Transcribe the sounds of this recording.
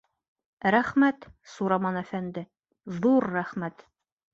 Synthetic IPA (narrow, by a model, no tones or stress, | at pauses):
ɾæχmæt̪suɾɑmɑnæfænd̪ɘ | ðuɾːæχmæt̪